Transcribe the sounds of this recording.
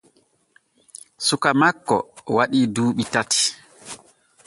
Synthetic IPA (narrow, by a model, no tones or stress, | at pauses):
sukamakːɔ̰waɗiːduːɓitati̥